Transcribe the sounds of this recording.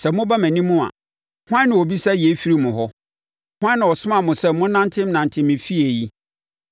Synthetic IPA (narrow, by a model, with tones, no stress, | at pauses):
sɛ˨mʊ̃˦ba˦mæ̃˨nĩ˦mʊ̃˦a̰˨ | hʊ˦ã˦nɪ̃˨o˨bi˦sa˦˨je˨˦fi˦ɾi˦mʊ̃˨ɦɔ˦ | hʊ̃˦ã˦nã˨ɔ˨sʊ˦mã˨mʊ̃˨sɛ˦ʊ̃˦nã˦ntʰɪ̃˦m˦nã˨ntʰɪ̃˦mɪ̃˨fi˦e˨ji˦